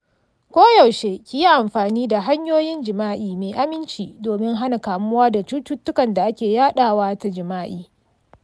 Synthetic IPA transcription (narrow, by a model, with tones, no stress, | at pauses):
kʷoː˦ja˨wʃe˦kʲi˨ji˦ʔa˨mɸaː˨niː˦da˨ɦa˦ɲjoː˦jɪ˦nd͡ʒɪ˨maː˦ʔiː˨meː˨ʔa˦mɪ˦nt͡ʃiː˨doː˨mɪ˦ŋɦa˦na˨kaː˨mʊ˦waː˦da˨t͡ʃu˦tʊ˦tːʊ˦kɐ˨nda˨ʔa˦kʲeː˨jaː˦ɗaː˦˨waː˦ta˦d͡ʒɪ˨maː˦ʔiː˨